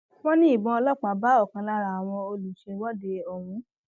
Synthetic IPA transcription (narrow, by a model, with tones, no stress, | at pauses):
wɔ̃˦nĩ˦i˦˨bɔ̃˧ɔ˧lɔ˦˨k͡pa˨ba˦ɔ˦˨kã˧la˦ɾa˨a˨w̃ɔ̃˧o˧lu˨ʃe˧wɔ˦de˧o˨wũ˨˦